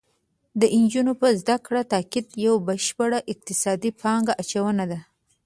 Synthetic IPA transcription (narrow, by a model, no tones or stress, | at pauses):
d̪əʔɪnd͡ʒunopəzd̪akɽat̪ɑkɪd̪jawbəʃpəɽaʔɪq̚t̪ɪsɑd̪ipʰɑŋɡaʔat͡ʃawənad̪a